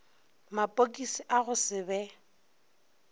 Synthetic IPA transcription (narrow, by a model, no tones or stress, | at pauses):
mapʼokʼisiʔaɣʊsɪbɛ